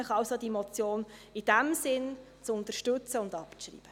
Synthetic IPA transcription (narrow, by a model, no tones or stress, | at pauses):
əχɑwsod̪iemɔt͡sjoːnɪd̥æmsɪn | t͡sʊnt̪əʃtɵt͡səʊndɑpʃrḭːb̥ə